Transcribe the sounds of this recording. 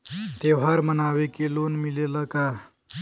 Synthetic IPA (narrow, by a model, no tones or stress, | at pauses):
t̪ewɦaɾmənaːwekilonmilelaka